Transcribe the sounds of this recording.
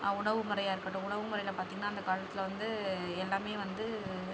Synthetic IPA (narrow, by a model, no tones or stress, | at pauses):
ʊɳɐʋɯmʊɾɐjaːɪɾɯkːɐʈːɯ̃ʊɳɐʋɯmʊɾɐɪjɪlɐpaːɾt̪iːŋɡɐnaːnd̪ɐkaːlɐt̪ːɪlʋɐnd̪ɯɛlːaːmeːʋɐnd̪ɯ